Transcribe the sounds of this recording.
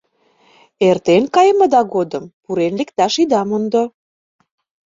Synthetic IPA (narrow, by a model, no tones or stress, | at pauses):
ert̪enkɑjəmə̆d̪ɑɣod̪əmpuɾenlekt̪ɑʃid̪ɑmond̪o